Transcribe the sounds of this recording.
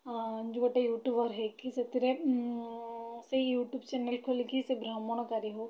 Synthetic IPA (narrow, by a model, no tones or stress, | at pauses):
nd͡ʒuɡʈejuːʈjubɐɾɦekiset̪iɾe | sejuːʈjuːbt͡ʃenelkʰolkisebɾamɔɽ̃ɔkaɾiɦo